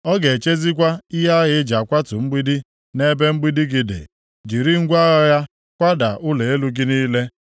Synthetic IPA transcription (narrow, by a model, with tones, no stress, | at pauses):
ɔ˦ɡe˨t͡ʃe˦zi˦k̬ʷa˦ɪ˦ɦa˦ɣɪ˦d͡ʒa˨kʷa˦tʊ˨ŋ͡m̩˦ɡ͡bi˦di˦ | ne˦be˦ŋ͡m̩˦ɡ͡bi˦di˦ɡɪ˨dɪ̰˨ | d͡ʒi˨ɾi˦ŋ̩˦ɡʷa˦ɣa˦ɣa˦ | kʷa˦da̰˨ʔʊ˦le˨e˦lu˦ɡi˦ni˦le˦